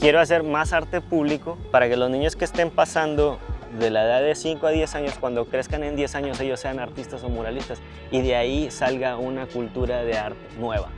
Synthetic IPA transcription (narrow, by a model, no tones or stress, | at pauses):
kje̞ɾoas̬e̞ɾmasaɾt̪e̞puβ̞liko̞paɾake̞lo̞znĩɲo̞skeːst̪e̞mpasand̪o̞ðe̞laeðaððe̞siŋkoað̞je̞saɲo̞skwand̪o̞kɾe̞skanẽ̞nd̪je̞saɲo̞se̞ʝo̞sːe̞anaɾt̪ist̪aso̞moɾalist̪as | iðe̞aisalɣaunakult̪uɾaðe̞aɾt̪e̥nwe̞β̞a̰